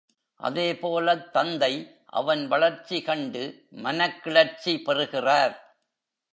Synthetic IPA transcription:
ʔɐ̰ðeːpoːlɐt̪ːɐnd̪ɐɪ | ʔɐ̰ʋɐnʋɐɭɐɾt͡ʃːikɐɳɖɯ | mɐnɐkːɪɭɐɾt͡ʃipɛrɯɣɪraːɾ

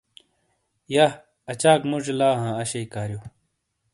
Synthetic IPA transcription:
ja | ɐt͡ɕaːkmud͡ʑlaːɦãːɐɕeikaːɾjoː

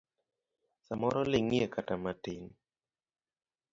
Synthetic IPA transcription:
samɔɾɔlɪŋiekatamatɪn

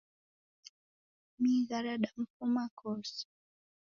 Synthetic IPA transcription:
miɣaɾaɗam̩fumakʰɔs

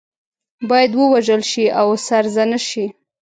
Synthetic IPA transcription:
bɑjad̪wəwaʒəlʃiawsaɾzanaʃi

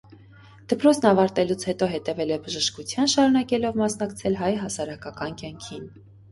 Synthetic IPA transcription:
d̪̥əpɾɔt͡sʰnɑvɑɾt̪ɛlut͡sʰhɛt̪ɔɦɛt̪ɛvɛlɛbəʒəʃkut͡sʰjɑnʃɑɾunɑkɛlɔvmɑsn̪ɑkt͡sʰɛlɦɑjɦɑsɑɾɑkɑkɑnkjɑŋkʰin

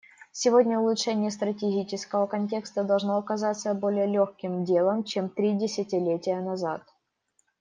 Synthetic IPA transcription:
sʲɪvo̞dʲnʲəʊlˠʊtʂɛnʲɪjəst̪ɾətʲɪɡʲit͡ɕɪskəvəkɐnʲtʲe̞kst̪əd̪ɐlˠʐno̞ɐkɐzat̪səbo̞lʲɪjəlʲoxkʲɪmdʲe̞lˠəmt͡ɕemt̪ɾʲidʲɪsʲɪtʲɪlʲetʲɪjənɐzat̪

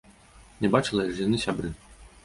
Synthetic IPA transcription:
nʲɛbat͡ʂɨlˠɐjaʐjanɨsʲabɾɨ

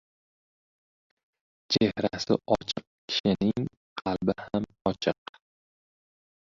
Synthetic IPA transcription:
t͡ʃʰehɾasɪ̰ɒt͡ʃʰɨq̚kʲʰɪ̥ʃɪnɪŋ | qʰɑlbɪhamɒt͡ʃʰɪq

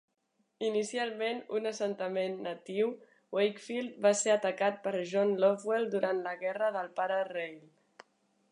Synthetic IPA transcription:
inisialˠmenṵnəsənt̪əmenːət̪iw | wejkfilˠt̪̚baseət̪əkat̪̚pəɾʒɔnlɔfwelˠd̪uɾant̪ləɣɛrəðəlˠpaɾərejl

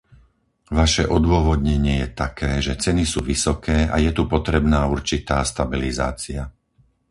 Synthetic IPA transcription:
ʋaʃɛʔɔd̪ʊɔʋɔd̪ɲɛɲɪɛjɛt̪akʰɛːʒɛt͡sɛnisuːʋisɔkʰɛːa̰jɛt̪upɔt̪ɾɛbnaːuɾt͡ʃit̪aːst̪abiliza̰ːt͡sia

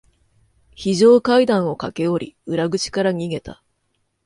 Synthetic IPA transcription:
çiʑo̞ːkaid̪ãɰ̃o̞kake̞oɾʲḭɯ̟ɾaɡɯ̟t͡ɕi̥kaɾaɲ̟iɡe̞t̪a

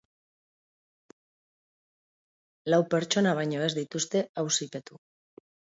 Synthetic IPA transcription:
lawpe̞ɾt͡ʃo̞naβ̞ajɲo̞e̞zd̪it̪ust̪e̞awsipe̞t̪u

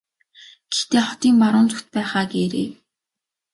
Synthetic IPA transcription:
ɡ̥ext̪eːχɔt̪iːŋmaɾʊːnt͡sʊxt̪̚pæːχaːɡeːɾḛː

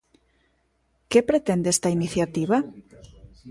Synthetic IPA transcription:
kepɾet̪end̪est̪ainiθjat̪iβa

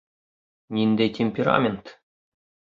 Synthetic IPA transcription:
nʲind̪ʲetʲʰemʲpʲeɾa̰mʲent̪

